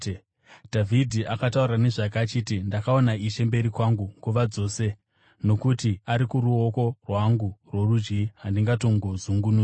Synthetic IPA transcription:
dʱavʱidʱiʔakataurrane̞ʐakaːt͡ʃitindakao̞naiʃe̞mbe̞ɾikwaŋɡuŋɡuʋad͡zo̞ːse̞ | no̞kutiaɾikuɾuoko̞rwaŋɡurworud͡ʒɡiɦandiŋɡato̞ŋɡozuŋɡunu

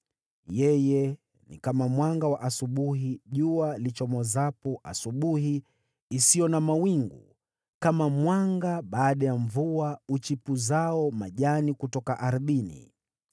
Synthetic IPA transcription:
jɛjɛ | nḭkamamwaŋɡawaʔasuɓuɦiʄualit͡ʃɔmɔzapuʔa̰suɓuhiː | sijɔnamawiŋɡṵ | kamamwaŋɡaɓaːɗajaɱvuaut͡ʃipuzaɔmaʄanikutɔkaʔaɾɓinḭ

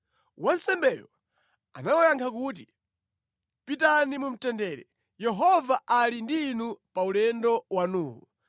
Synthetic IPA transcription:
wansɛmbɛjɔ | a̰nawajaŋkʰak̬uːt̬i | pitanimum̩tɛndɛɾɛ̰ | jɛɦɔvaʔalindiːnupaulɛndɔwanuːŋɡu

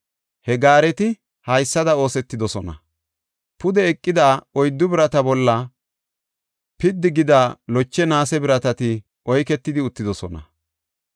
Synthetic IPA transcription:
hɛɡaːɾɛt̪ɪ | hɐjsːɐd̪ɐo̞ːsɛt̪ːɪd̪ɔsɔnɐ̰ | pʊd̪ɛːkʼːɪd̪aːɔjd̪ːʊbɪɾɐt̪ɐbɔlːɐ | pɪd̪ːɪɡɪd̪aːlɔt͡ʃːɛnaːsɛbɪɾɐt̪ɐt̪ɪ | ʔɔjkɛt̪ːɪd̪ɪʊt̪ːɪd̪ɔsɔnɐ̰

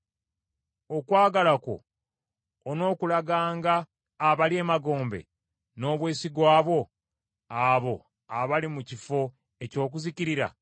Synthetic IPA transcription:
o̞kwaːɡalako̞̰ː | no̞ːkulaɡaːŋɡaː | βaliemaɡo̞ːmbe̞̰ | no̞ːβwe̞ːsiɡwaːβwo̞ | aβo̞ | aβalimucifo̞ | e̞co̞ːk̬uziciɾiɾa̰

